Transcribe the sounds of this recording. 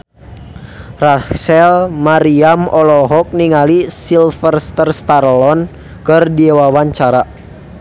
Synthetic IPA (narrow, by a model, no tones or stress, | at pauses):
rasɛlmaɾiamɔlɔɦɔk̚niŋalisilfərst̪ərst̪aɾlɔn | kərdiewawaɲt͡ʃaɾa